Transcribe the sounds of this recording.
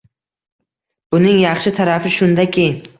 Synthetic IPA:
bʊnɪŋjɑχʃɪt̪ʰaɾafɪʃʊnd̪akʲʰɪ

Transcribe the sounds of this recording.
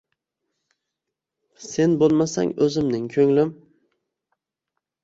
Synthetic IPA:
se̞nbolˠmasa̰ŋɵzɪmnɪŋkʰɵŋlɪm

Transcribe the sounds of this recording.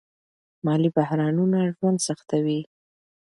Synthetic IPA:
mɑlibahɾɑnunaʒwand̪saxt̪awi

